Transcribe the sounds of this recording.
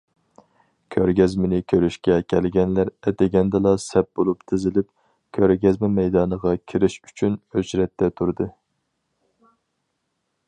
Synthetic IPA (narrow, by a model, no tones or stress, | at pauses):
kʲʰøɾɡʲɛzmɪnɪkʲʰøɾyʃkʲɛkʲʰɛlɡʲɛnlæɾɛt̪ʰɛɡʲɛnd̪ɨlˠɑsɛp̚bolˠupt̪ʰɪzɪlɪp̚ | kʲʰøɾɡʲɛzmɛmɛjd̪ɑːnəʁɑkʲʰiɾɪʃy̥t͡ʃʰynøt͡ʃɾɛt̪ʰːɛt̪ʰuɾd̪ɨ